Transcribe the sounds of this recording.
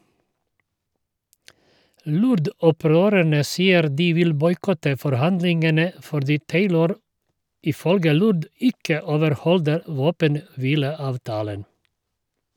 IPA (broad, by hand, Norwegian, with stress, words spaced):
ˈlʊɾdɔˌpɾøːɾæɳə ˈsiːəɾ ˈdiː ˈʋɪl ˈbɔʏˌkɔtə fɔɾˈhɑndlɪŋɡənə fɔɾˈdiː ˈteɪləɾ ɪˈfœlɡə ˈlʊd ˈɪkə oːʋəɾˈhɔldəɾ ˈʋoːpənˌʋiːləˌɑːʋˌtɑːlən